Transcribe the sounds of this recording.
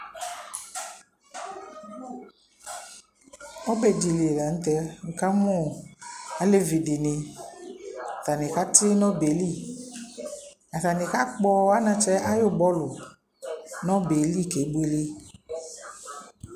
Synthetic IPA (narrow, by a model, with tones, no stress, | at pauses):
ɔ˦bɛ˨di˨le˨la˨ŋ̩˦t̪ɛ˦ŋ̩˨ka˦mɔ̃˦˨ | a˦le˦vi˨dɪ˨nɪ̃˨ | a˨t̪a˨nɪ̃˨ka˦tʰɪ˦nɔ̃˦be˨li˦˨ | a˨ta˨nɪ̃˨ka˦k͡pɔ˦a˦nã˨t͡ʃɛ˦ʔa˦jʊ˦bɔ˦lʊ˨ | nɔ̃˦be˨li˦˨ke˨˦be˦li˦